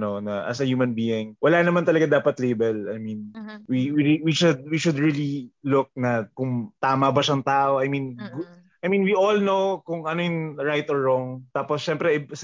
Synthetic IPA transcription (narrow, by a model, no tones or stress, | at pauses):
ɐnonɐʔɐ̰sɐjuːmɐnbiɪŋwɐlaːnɐmant̪ɐlɐɡad̪aːpɐt̪lejbɛlɐjminwiwiiwiʃʊd̪̚wiʃʊd̪ɹililʊk̚nɐkʊŋt̪aːmɐbɐʃaɐŋt̪aːʔoʔɐjminɡ | ɐjmĩnwiʔolnowkʊŋɐnojʊŋɹajt̪ɔɹːoŋt̪aːposʃɛmpɾɛɪs